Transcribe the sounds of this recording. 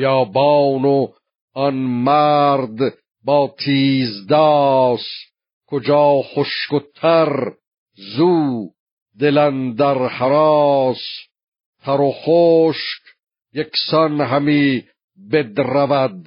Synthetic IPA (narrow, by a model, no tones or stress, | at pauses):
jɑːbɑːno | ɒnmæɾd̪ | bɑːt̪ʰiːzd̪ɑːs | kʰod͡ʒɑːχoʃkot̪ʰæɾ | zuː | d̪elænd̪æɾhæɾɑːs | t̪ʰæɾoχoːʃk | jeksɑnɦæmiː | bed̪ɾævæd̪̚